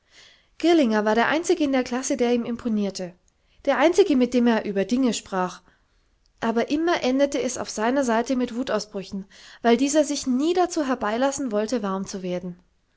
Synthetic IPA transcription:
ɡ̥ɪɐlɪŋɐvaːɐɾeːɐʔa̰ɪnt͡sɪɡəɪndeːɐkl̥asədeːɐiːmɪmpʰoniːɐtʰə | d̥eːɐʔaɪnt͡sɪɡəmɪt̚d̥eːmeːɐʔyːbɐdɪŋəʃpʁ̥aːχ | ʔaːbɐʔɪmɐʔɛndətəɛsa̰ʊfz̥aɪnɐzaɪtəmɪtv̥uːtaʊsb̥ʁʏçn̩vaɪldiːzɐzɪçniːdat͡suːɦɛɐbaɪlasn̩vɔltəvaɐmt͡suveːɐdn̩

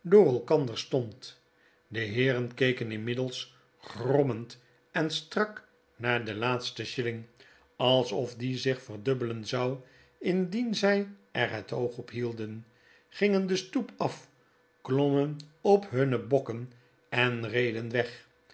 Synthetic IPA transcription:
dʊːrɛlˠkɑndəɹstɔnt | dəɦɪːɾənkejkənɪnmɪdəlˠs | χrɔmənt | ɛnstrɑk | naːɹdəlaːtstəʃɪlɪŋ | ɑlˠsɔfdizɪχfərdøbələnzɑw | ɪndinzɛjɛɹɦətowχɔpɦilˠdən | χɪŋəndəstupɑf | klɔmənɔpɦɵnəbɔkən | ɛnrejdənʋɛχ

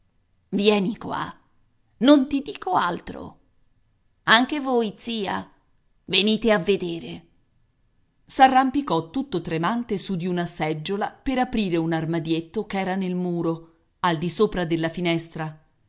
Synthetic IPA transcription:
vjɛːnikwa̰ | nont̪id̪iːkoalt̪ɾo̰ | aŋkevojt̪siːa̰ | veniːt̪eavːed̪eːɾe | sarːampikɔt̪ːut̪ːot̪ɾemant̪esud̪iunasɛd͡ʒːolapeɾapɾiːɾeunarmad̪jet̪ːokɛːɾanelmuːɾo | ald̪isoːpɾad̪elːafinɛst̪ɾa

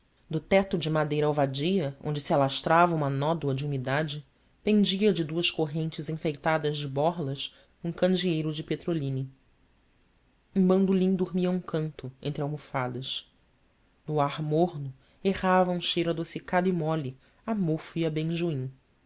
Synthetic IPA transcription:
d̪ʊt̪ɛt̪ʊd͡ʒɪmad̪ejɾɐawvad͡ʒijɐʔõ̰nd͡ʒɪsialaʃt̪ɾavɐũmɐnɔd̪wɐd͡ʒɪumid̪ad͡ʒɪ | pẽnd͡ʒiɐd͡ʒɪd̪uɐʃkoɦẽnt͡ʃɪzĩfejt̪ad̪ɐzd͡ʒɪbɔɾlɐʃ | ũkɐ̃d͡ʒiejɾʊd͡ʒɪpet̪ɾolĩni | ũbɐ̃nd̪ulĩŋd̪uɾmiɐũŋkɐ̃nt̪ʊḛ̃nt̪ɾɪawmofad̪ɐʃ | nʊaɾmoɦnʊ | ehavɐũʃejɾʊad̪osikad̪ʊimɔli | amofuiɐbẽj̃ʒuĩŋ

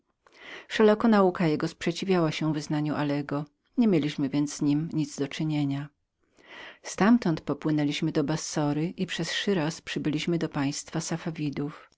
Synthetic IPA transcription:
fʂɛlakɔnaukajɛɡɔspʂɛt͡ɕivʲjawaɕɛvɘznaɲuʔalɛɡɔ | ɲemʲjelʲiɕmɘvʲjɛnd̪zz̥ɲimɲid̪zd̪ɔt͡ʂɘɲeɲa | st̪amt̪ɔnt̪pɔpwɘnɛlʲiɕmɘd̪ɔbasːɔɾɘʔipʂɛsʂɘɾaspʂɘbɘlʲiɕmɘd̪ɔpaj̃st̪fasafavʲid̪uf

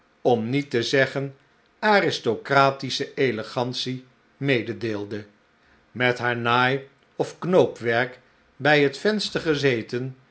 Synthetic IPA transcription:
ɔmnitəzɛχən | aːrɪstokraːtisəejləχɑntsi | mejdədeːlˠdə | mɛtɦaːɹnaːj | ɔfknowpʋɛɹk | bɛjɦətfɛnstəɹχəzejtən

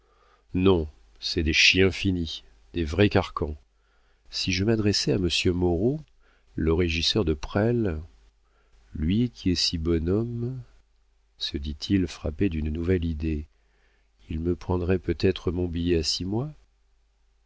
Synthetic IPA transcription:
nɔ̃ | sɛd̪eʃjɛ̃ɛ̃fini | d̪evʁɛkaʁkɑ̃ | siʒəmad̪ʁɛsɛaməsjømɔʁo | ləʁeʒisœʁd̪əpχɛl | lɥikʲʰiɛsibɔnɔm | səd̪it̪ʰilfχaped̪ynnuvɛlid̪e | ilməpχɑ̃d̪ʁɛpøt̪ɛt̪χəmɔ̃bijɛasimwa

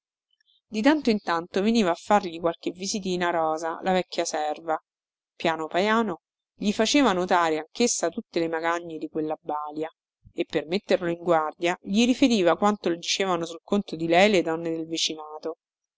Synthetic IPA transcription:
d̪it̪ant̪oint̪ant̪oveniːvaːfːarʎikwalk̟evizit̪̬iːnaɾɔːzalavɛkːjasɛrva | pjaːnopajaːno | ʎifat͡ʃeːvanot̪aːɾeaŋkesːat̪ut̪ːelemaɡaɲːed̪ikwelːabːaːlja | epːermet̪ːerloiŋɡward̪jaʎiɾifeɾiːvakwant̪olod̪it͡ʃeːvanosulkont̪od̪ilɛjled̪ɔnːed̪elvit͡ʃinaːt̪o

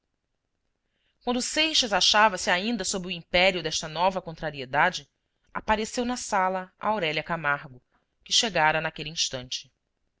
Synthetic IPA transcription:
kwɐ̃nd̪ʊsejʃɐzaʃavɐsiaĩnd̪ɐsobɾɪuĩmpɛɾiʊd̪ɛʃt̪ɐnɔvɐkõnt̪ɾaɾied̪ad͡ʒɪ | a̰paɾesewnɐsalɐa̰awɾɛlʲɐkamaɾɡʊ | kɪʃeɡaɾɐnakeliĩʃt̪ɐ̃nt͡ʃɪ̥

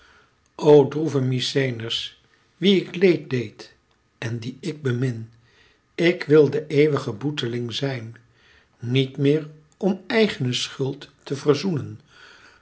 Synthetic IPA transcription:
ʔowdruvəmisejnərs | ʋiɪklejt̚dejt | ɛndiɪɡ̚bəmɪn | ɪkʋɪlˠdəʔejʋəχəbutəlɪŋzɛjnː | itmɪːɹ | ɔmɛjχənəsχɵlˠtːəvərzunən

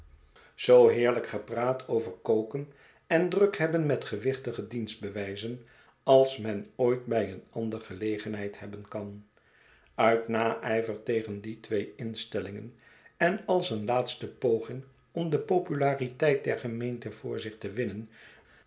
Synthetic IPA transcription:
z̥owɦɪːɹləkχəpraːtʰowvəɹkowkən | ɛndrɵkɦɛbənmɛtχəʋɪχtəχədinzd̚bəʋɛjzən | ɑlˠsmɛnoːjtbɛjənɑndəɹχəlejχənɦɛjthɛbənkɑn | œɥtnaːʔɛjvəɹtejχənditʋejɪnstɛlɪŋə̰n | ɛnɑlˠsənlaːtstəpowχɪŋ | ɔmdəpowpylaːritɛjt̚dɛɹχəmejntəv̥ʊːɹzɪχtəʋɪnən

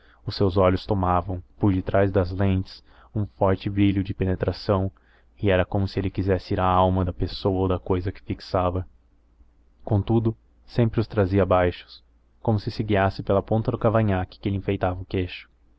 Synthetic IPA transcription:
ʊsewzɔʎʊst̪omavɐ̃w̃pʊɾd͡ʒɪt̪ɾajzd̪ɐzlẽnt͡ʃɪ̥s | ũfɔɾt͡ʃɪbɾiʎʊd͡ʒɪpenet̪ɾasɐ̃w̃ | ɪɛɾɐkõmʊsɪelɪkizɛsɪiɾaawmɐd̪ɐpesowɐod̪ɐkojzɐkɪ̥fiksavɐ | kõt̪ud̪ʊ | sẽmpɾɪʊst̪ɾaziɐbajʃʊ̥s | kõmʊsɪsɪɡiasɪpelɐpõnt̪ɐd̪ʊkavɐ̃ɲakɪ̥kɪelɪĩfejt̪avɐʊkeʃʊ̥

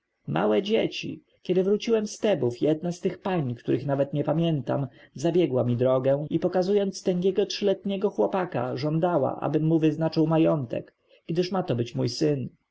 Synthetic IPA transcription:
mʔa̰wɛd͡ʑet͡ɕḭ | kʲjɛd̪ɘvɾut͡ɕiwɛmst̪ɛbufjɛd̪nast̪ɘxpaɲkt̪uɾʔɘxnavɛt̪ɲɛpamʲjɛnt̪a̰mzabʲjɛɡwamʲid̪ɾɔɡɛipɔkazujɔnt̪st̪ɛŋɡʲjɛɡɔtʂɘlɛt̪ɲɛɡɔxwɔpaka̰ʐɔnd̪awa̰ʔa̰bɘmːuvɘznat͡ʂɨwmajɔnt̪ɛ̰k | ɡd̪ɘʂmat̪ɔbɘt͡ɕmujsɘn

